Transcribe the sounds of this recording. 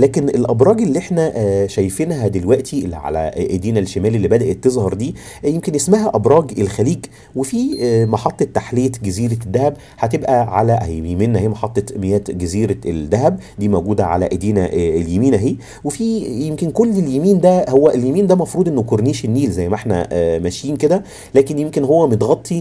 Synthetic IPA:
læːkenelʔæbɾˤɑːɡelːiʔeħnæʔʃæjfenɦæd̪elwæʔt̪ʰielːiʕa̰læ̰ʔæd̪iːnælʃːemæːlelːibæd̪æʔet̪ːezˤhɑɾˤd̪iː | jemkenʔesmæɦæʔæbɾˤɑːɡelxæliːɡ | wefiːmɑħɑt̪ˤːɑt̪ːaħlejæt̪ɡæziːɾæd̪ːæhæb | hæt̪ebʔæʕalæʔæ̰emeːnːæheːmɑħɑt̪ˤːɑt̪mejæːt̪ɡæziːɾæeld̪ːæɦæb | d̪iːmoɡuːd̪æʕa̰læ̰ʔed̪iːnæʔeljemiːnæɦeː | wefiːjemkenkolːeljemiːnd̪æhowːæʔeljemiːnd̪æmɑfɾuːd̪ʔenːokoɾniːʃenːiːlzæjːmæʔeħnæ̰mæʃjiːnked̪æ | læːkenjemkenɦowːæmnet̪ɣɑt̪ˤːi

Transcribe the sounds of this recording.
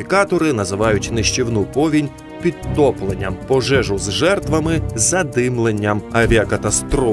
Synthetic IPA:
ikɑt̪ɔɾɪnɐzɪʋɑjʊtʲnɪʃt͡ʃiwnupɔʋʲinʲ | pʲid̪t̪ːɔplˠenʲːɐmpɔʒɛʒʊzʒɛrt̪ʋɐmɪzɐd̪ɪmlˠenʲːɐmɐʋʲiɐkɐt̪ɐst̪ɾɔ

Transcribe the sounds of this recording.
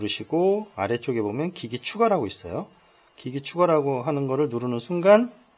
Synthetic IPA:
ɾɯɕʰiɡoaɾe̞t͡ɕ͈oɡe̞bomjʌnkiɡit͡ɕʰuɡaɾaɡois͈ʌ̰jo | kiɡit͡ɕʰuɡaɾaɡoɦanɯnɡʌɾɯɭnuɾɯnɯnsʰuŋɡan

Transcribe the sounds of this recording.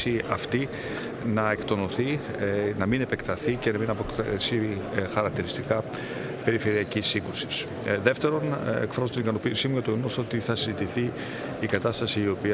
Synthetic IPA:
iɐft̪i | nɐe̞kt̪o̞no̞θi | nɐmine̞pe̞kt̪ɐθice̞nɐminɐpoksixɐɾɐk̚t̪iɾist̪ikɐ | pe̞ɾife̞ɾiɐcisiŋɡɾusi̥s | ðe̞ft̪e̞ɾo̞nekfɾɐzot̪inikɐno̞pisimuɲɐt̪uenoso̞t̪iθɐsizit̪iθiː | kɐt̪ɐst̪ɐsiːo̞piɐ

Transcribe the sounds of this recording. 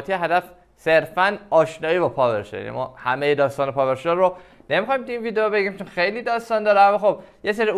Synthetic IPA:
t̪ʰijeɦæd̪æf | se̞ɾfænɒːʃnɒːibɒːpʰɒːbeɾʃḛja̰nḭmɒ̰ːhæmejed̪ɒːst̪ɒːnepʰɒːveɾʃeɾːo | nemixɒjimt̪einviːd̪ejobe̞ɡimt͡ʃʰonxejliːd̪ɒːst̪ɒːnd̪ɒːɾænamːɒːxob̚je̞s̬eɾi

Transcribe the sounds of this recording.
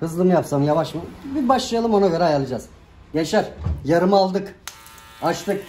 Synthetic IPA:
hɯzlˠɯmɯjapsamjavaʃmɯbibaʃlˠɯjalˠɯmo̞naɟø̞ɾɛajalˠɯd͡ʒaz̥ | jeʃæɾjaɾɯmalˠd̪ɯk | aʃt̪ʰɯk̚

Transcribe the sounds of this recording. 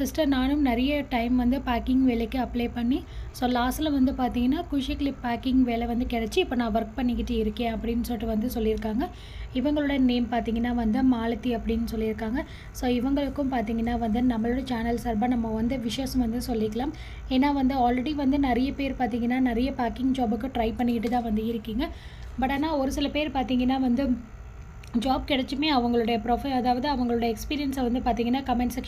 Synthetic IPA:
sɪsʈɐɾnaːnʊmnɛɾɐjɐʈɐɪmʋɐnd̪ɯpaːkɪŋɡʋeːlɛkːɯɐpːleːpɐɳːi | soːlaːsɐlɐʋɐnd̪ɯpaːɾt̪iːŋɡɐnːaːkʊʂɐklɪpːaːkɪŋɡʋeːlɛʋɐnd̪ɯkɛɽɛt͡ʃːɯɪpːoːnãːʋɐɾk̚pɐɳːɪkːɪʈːɯɪɾɯkːẽːɐpːɐɽɪnːɯsoːʈːɯʋɐnd̪ɯsɔlːɪɾɯkːaːŋɡɐ | ɪʋɐŋɡɐɭoɽɐneːmpaːɾt̪iːŋɡɐnːaːʋɐnd̪ɯmaːlɐt̪ːiɐpːɐɽɪnːɯsɔlːɪɾɯkːaːŋɡɐ | soːɪʋɐŋɡɐɭɯkːɯ̃mpaːɾt̪iːŋɡɐnːaːʋɐnd̪ɯnɐmːɐɭɯɽɐt͡ʃaːnɐlsɐɾbaːnɐmːɐɔnd̪ɐʋɪʂɐjɐsɐ̃ʋɐnd̪ɯsɔlːɪkːɐɭaːm | eːnːaːʋɐnd̪ɯaːlɾɛɽiʋɐnd̪ɯnɪɾɐjɐpeːɾpaːɾt̪iːŋɡɐnːaːnɪɾɐjɐpaːɾkɪŋɡd͡ʒaːbɯkːʊ̃ʈɾɐɪpɐɳːɪkɪʈːɯt̪ãːʋɐnd̪ɯɪɾɯkːiːŋɡɐ | bɐʈːaːnaːɔɾɯsɪlɐpeːɾpaːɾt̪iːŋɡɐnːaːʋɐnd̪ɯ | d͡ʒaːb̚kɪɽɐt͡ʃːɯmeːɐʋɐŋɡɐɭɯɽɐjɐpɾoːfɐɪlɐðaːʋɐðɯɐʋɐŋɡɐɭɯɽɐjɐɛkspiːɾɪjɐnsɐʋɐnd̪ɯpaːɾt̪iːŋɡɐnːaːkɐmɛɳsɐk

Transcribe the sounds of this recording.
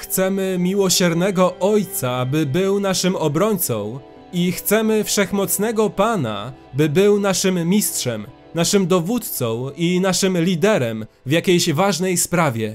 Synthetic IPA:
xt̪sɛmɘmʲiwɔɕɛɾnɛɡɔʔɔjt̪sabɘbɘwnaʂɘmɔbɾɔɲt̪sɔ̰̃w̃ | ixt̪sɛmɘfʂɛxmɔt̪snɛɡɔpana̰ | bɘbɘwnaʂɘmːʲistʂɛm | naʂɘmd̪ɔvut̪t̪sɔ̃w̃inaʂɘmlʲid̪ɛɾɛm | vjakʲejɕvaʐnɛjspɾavʲɛ

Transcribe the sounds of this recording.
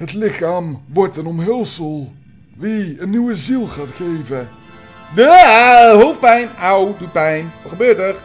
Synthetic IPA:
ɦətlɪχaːmʋɔɹtənɔmɦɛlˠsəlˠ | ʋiənːyʋəzilˠχaːtχejvə | dəɦowfpɛjnawdut̚pɛjnʋəχəbøːtər

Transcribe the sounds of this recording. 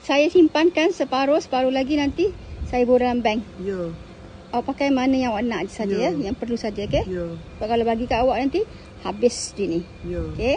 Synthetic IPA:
sajasimpankansəpaɾʊsə̥paɾolaɡinant̪isajabodalambɛŋj | awaʔpakajmanajaŋawaʔnaʔd͡ʒisad͡ʒajajaŋpərlusad͡ʒaoke | baʔkalabaɡikaʔawaʔ̚nant̪i | habɪsd͡ʒini | ke

